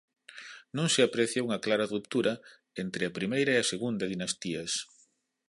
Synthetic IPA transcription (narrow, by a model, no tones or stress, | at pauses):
nõŋsɪapɾɛθjauŋɐklaɾɐrup̚t̪uɾɐ | ent̪ɾɪɐpɾimejɾɐeɐseɣund̪ɐðinɐst̪iɐs